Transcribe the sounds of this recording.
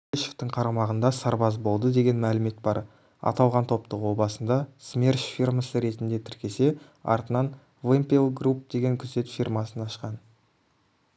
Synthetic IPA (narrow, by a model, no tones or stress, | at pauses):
eʃeft̪əɴqʰɑɾɑmɑʁənd̪ɑsɑɾbɑzbo̞lˠd̪əd̪e̞ɡʲe̞nmælɪme̞t̪̚bɑɾ | ɑ̰t̪ɑlˠʁɑnt̪ʰo̞p̚t̪əqwo̞bɑsənd̪ɑsmʲerʃfʲirməsəɾe̞t̪ɪnd̪e̞t̪ʰɪɾkʲe̞se̞ | ɑ̰ɾt̪ənɑn | vempʲelˠɡrup̚d̪e̞ɡʲe̞ŋkʲʰʏze̞t̪firmɑsənɑʃqɑn